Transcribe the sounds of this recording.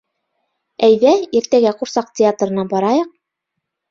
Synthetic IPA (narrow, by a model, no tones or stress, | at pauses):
æjðæiɾt̪æɡæquɾsɑq̚tʲɪat̪ɾɤ̆nɑbɑɾɑjɤq̚